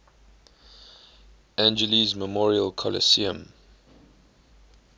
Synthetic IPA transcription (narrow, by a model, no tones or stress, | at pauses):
æ̃nd͡ʒəlizməmɔɹiəlkʰɔlə̰siə̰̃m